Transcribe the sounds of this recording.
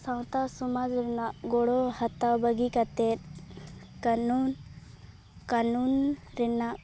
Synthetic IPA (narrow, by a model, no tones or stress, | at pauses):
saw̃t̪asɔmad͡ʒɾɛnaʔɡɔɽɔhat̪awbəɡikat̪ɛt̪̚ | kanun | kanunɾɛnaʔ